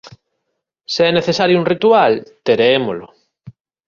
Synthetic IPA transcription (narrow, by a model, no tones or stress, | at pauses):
seɛneθesaɾjouŋrit̪ualt̪eɾeemolo